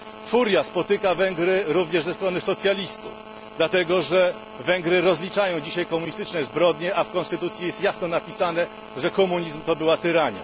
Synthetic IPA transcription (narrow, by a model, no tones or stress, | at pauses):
fuɾʲjaspɔt̪ɘkavɛŋɡɾɘɾuvɲɛʐzɛst̪ɾɔnɘsɔt̪sʲjalʲist̪uf | d̪lat̪ɛɡɔʐɛ | vɛŋɡɾɘɾɔzlʲit͡ʂajɔ̃w̃d͡ʑiɕajkɔmuɲist̪ɘt͡ʂnɛzbɾɔd̪ɲɛʔafkɔnst̪ɘt̪ut̪sʲjijɛst̪jasnɔnapʲisanɛ | ʐɛkɔmuɲizmt̪ɔbɘwat̪ɘɾaɲa̰